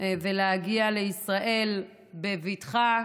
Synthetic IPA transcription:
veleaɡiale̞isʁaʔe̞l | bevitχa

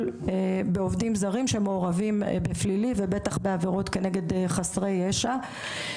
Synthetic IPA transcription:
lebeovdimzaʁimʃemeoʁavimbeflilivebe̞taχbe̞aveʁo̞t̪ke̞ne̞ɡe̞deχasʁejeʃa

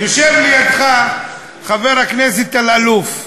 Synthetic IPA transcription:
joʃevlijad̪χa | χave̞ʁhakneset̪alaluf

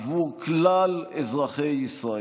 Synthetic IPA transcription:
vuʁklalezʁaχejisʁa

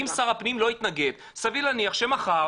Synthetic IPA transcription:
imsaʁapnimlo̞it̪naɡe̞d̪ | savilaniaχʃe̞maχa

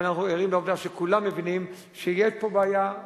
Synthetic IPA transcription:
naχnueʁimleovd̪aʃekulamːevinim | ʃejeʃpo̞baːja

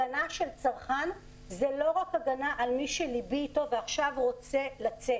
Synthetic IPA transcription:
anaʃelt͡saʁχan | zelo̞ʁakaɡanaʔalmiʃelibiːto̞veaχʃavʁo̞t͡se̞lat͡set

